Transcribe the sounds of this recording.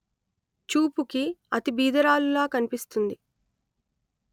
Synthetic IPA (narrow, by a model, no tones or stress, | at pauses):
t͡ʃuːpukiɐt̪ibiːd̪ɐɾaːlulaːkɐnipist̪und̪i